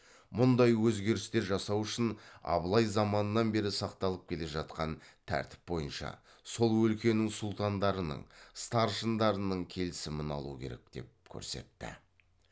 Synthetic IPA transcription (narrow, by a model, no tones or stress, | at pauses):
mʊnd̪ɑjwɵzɡʲe̞ɾɪst̪e̞ɾʒɑsɑwʏʃɪnɑ̰blˠɑjzɑmɑnənɑnbe̞ɾɪsɑqt̪ɑlˠəp̚kʲʰe̞le̞ʒɑt̪qɑnt̪ʰæ̰ɾt̪ɪ̥p̚bo̞jənʃɑ̰ | so̞lˠwɵlkʲe̞nɪŋsʊlˠt̪ɑnd̪ɑɾənə̰ɴst̪ɑɾʒənd̪ɑɾənəɴkʲʰe̞lɪsɪmɪnɑ̰lˠukʲʰe̞ɾe̞̰k̚d̪̥e̞̰p̚kʲʰɵ̰ɾse̞̰t̪ːɪ̰